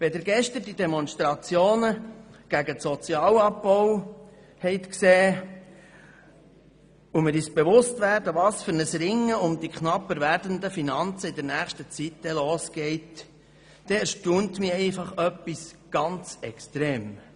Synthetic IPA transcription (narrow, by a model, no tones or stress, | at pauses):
vɛd̪əɾɡɛʃtəɾdidɛmɔnstɾɑt͡sjoːnəɡ̥æɡətsɔt͡sjɑːlɑbbɔw | hɛɪt̪kseː | umɪɾɪsb̥eʋʊstʋæːɾdəʋɑːsfʏɾnəsɾɪŋːəʊmd̥̪ikχnɑpːəɾʋæɾdənd̪əfinɑnt͡səɪd̪əɾnæːχʃtət͡sitd̪ɛloːsɡ̥ɛɪt | d̥ɛɛɾʃtuːnt̪mɪɾɛɪfɑχœpːis | ɡ̥ɑnt͡sɛkst̪ɾeːm